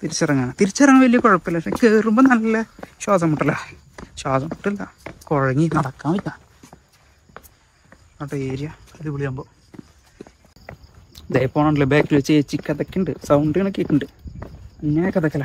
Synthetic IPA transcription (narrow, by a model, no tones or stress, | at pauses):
t̪iɾit͡ɕːɐrɐŋːanat̪iɾit͡ɕːɐrɐŋːɐʋɐlijɐkoɻɐpːilːɐʂkːerumbɐnɐlːeɕwaːsɐmuʈːɐlːɐ | ɕwaːsɐmuʈːilːɐkoɻɐŋːinɐɽɐkːaːʋitʲːa | ɐʈːɐeːɾijaɐðiʋiɭijamboː | d̪ɐjpːoːɳɐɳɖɨlɐbeːkːilʋet͡ɕːet͡ɕːikːɐðɐkːiɳɖɨsɐwɳɖɨŋɐnokːeːkːiɳɖɨɐnːekɐðɐkʲːɐlːa